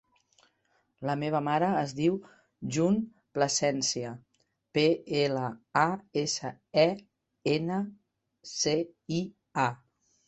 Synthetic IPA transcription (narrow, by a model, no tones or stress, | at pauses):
ləmeβ̞əmaɾəːzðiw | ʒun | pləsɛnsiə | peeləaesə | ɛ | enə | sei | a